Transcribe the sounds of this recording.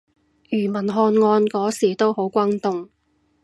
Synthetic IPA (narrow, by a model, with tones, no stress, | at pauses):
jyː˨˩mɐ˨˩nɦɔː˧nŋɔː˧nkɔː˨˥siː˨˩t̪o˥who˨˥wkʷaː˥nt̪ʊ˨ŋ